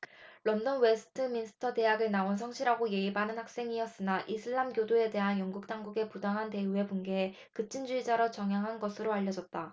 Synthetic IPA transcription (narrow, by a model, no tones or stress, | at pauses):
ɭʌndʌnwe̞sʰɯ̥tʰɯminsʰɯ̥tʰʌte̞ɦaɡɯɭnaonsʰʌŋɕʰiɾɦaɡoje̞ibanɯnhak̚s͈e̞ŋiʌs͈ɯnaʔisʰɯɭːamɡjodoe̞de̞ɦanjʌŋɡuk̚t͈aŋɡuɡe̞pudaŋɦante̞ue̞bunɡe̞e | kɯt͡ɕ͈ind͡ʑuid͡ʑaɾʌt͡ɕʌŋjaŋɦanɡʌsʰɯɾoaʎːʌd͡ʑʌt̚t͈a